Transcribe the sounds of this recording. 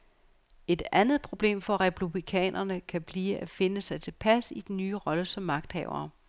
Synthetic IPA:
e̝d̥ænð̩ˠpʰʁo̝b̥le̝̰ːmfɒ̽ʁɛpʰub̥ʁikʰɛ̰ːnʔɐnəkʰæb̥liːʔæfe̝nəsɑ̈ɪt͡sʰe̝lpʰæsid̥enːyːʁɒ̽ləsɒ̽mːɑ̈ɡ̥̚d̥hɛ̰ʊɐː

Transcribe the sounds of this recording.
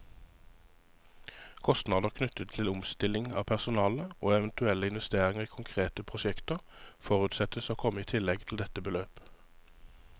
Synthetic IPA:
kʰɔst̪nɑːd̪əʁkʰnʉt̪ət̪ʰɪlʊmst̪ɪlɪŋɑ̰ːpʰæʁsʊnɑːləoːɛʋənt̪ʉɛləɪnʋɛst̪eːʁɪŋəʁiːkʰʊŋkʰʁeːt̪əpʰʁʊʃɛkt̪əʁfɔʁʉːt̪sɛt̪əsoːkʰɔmːəiːt̪ʰɪlɛɡt̪ʰl̩d̪ɛt̪əbəløːp

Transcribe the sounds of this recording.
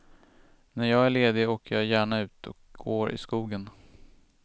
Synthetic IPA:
næɾjɑːɡæɭeːd̪ɪoːkəɾjɑːjæːɳaʉ̟ːt̪ʰɔ̰k̚ɡoːɾɪ̰skuːɡən

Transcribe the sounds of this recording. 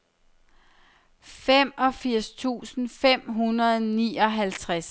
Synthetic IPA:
femɒ̽fiɐ̰st͡sʰṵːsn̩fem̰ɦunɐðˠniːɒ̽ɦælt͡sʰʁas

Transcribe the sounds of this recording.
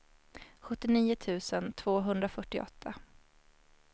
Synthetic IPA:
ɧɵt̪ːɪniːʊt̪ʰʉ̟ːsənt̪ʰv̥oːɦɵnd̪ɾafœʈːɪʔɔ̰t̪ʰːa

